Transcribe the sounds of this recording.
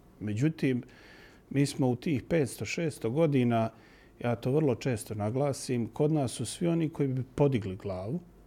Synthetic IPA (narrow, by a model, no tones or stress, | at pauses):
me̞d͡ʑut̪iːmː | iːsmo̞ut̪iːxpe̞ːt̪st̪o̞ʃe̞ːst̪oɡo̞d̪iːnaː | jaːt̪o̞ːʋr̩lˠo̞t͡ʃe̞ːst̪o̞naɡlˠaːsimkʰo̞d̪naːsːusʋio̞nikʰo̞iːbipo̞d̪iɡliɡlaːʋu